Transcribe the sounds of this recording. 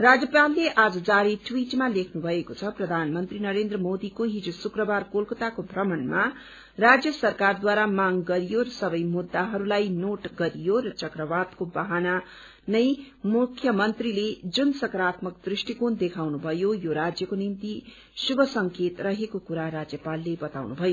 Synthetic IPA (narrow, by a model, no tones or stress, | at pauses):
rad͡zjʌpalːeʔad͡zʌd͡zaɾiʈʰwiʈmalekʰnubʱʌekot͡sʰʌprʌd̪ʱanmʌnt̪rinʌɾend̪rʌmod̪ikoɦid͡zusukrʌbarkolkʌt̪akobʱrʌmʌnma | rad͡zjʌsʌrkard̪waɾamaŋɡʌɾijoɾʌsʌbʌjmud̪ːaɦʌɾulajnoʈɡʌɾijoɾʌt͡sʌkrʌbad̪kobaɦana | nʌj | mukʰjʌmʌnt̪riled͡zunsʌkɾat̪mʌkd̪risʈikond̪ekʰawnubʱʌjojoɾad͡zjʌkonint̪i | subʱʌsʌŋket̪rʌɦekokuɾaɾad͡zjʌpalːebʌt̪awnubʱʌjo